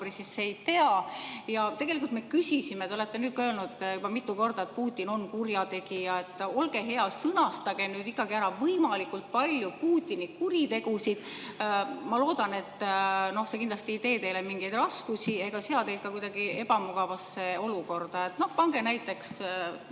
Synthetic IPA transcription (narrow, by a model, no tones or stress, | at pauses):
risisːejt̪e̞ɑjɑt̪e̞ɡelikult̪me̞kysʲisimet̪ole̞t̪ːe̞nyːd̪̥̚køelnud̪jubɑmit̪ːˑuko̞rd̪̥ɑe̞t̪̚puːt̪ʲːˑino̞nkurjɑt̪e̞ɡ̥ijɑe̞t̪ːˑo̞lɡ̥e̞ɦe̞ɑsɤnɑst̪ɑɡ̥e̞mnyːd̪ikːˑɑɡ̥iæɾɑvɤjmɑlikult̪̚pɑlʲjupuːt̪ʲːˑinikuɾit̪e̞ɡ̥usid̪̥ | mɑlo̞ːd̪̥ɑne̞t̪ːno̞hse̞kind̪lɑst̪iijt̪e̞ːt̪e̞jlemiŋɡ̥ejd̪̥rɑskusie̞ɡ̥ɑseɑt̪e̞jd̪̚kɑkujd̪ɑɡ̥ie̞b̥ɑmuɡ̥ɑvɑsːe̞o̞luko̞rd̪̥ɑe̞t̪nohpɑŋɡ̥e̞næjt̪ːˑe̞ks